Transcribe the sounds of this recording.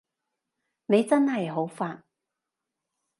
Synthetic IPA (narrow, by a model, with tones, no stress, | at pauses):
ne˨˧jt͡sɐ˥nhɐ˨jɦo˨˥wfaː˧n